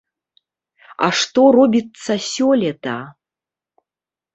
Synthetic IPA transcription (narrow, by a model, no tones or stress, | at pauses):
a̰ʂt̪ɔrɔbʲit̪sɐsʲɔlʲɛt̪a